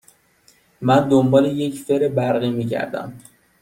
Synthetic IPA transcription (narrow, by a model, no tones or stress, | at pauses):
mænd̪ombɒːleje̞cʰfe̞ɾebæɾɣiːmiːɟæ̰ɾd̪æ̰m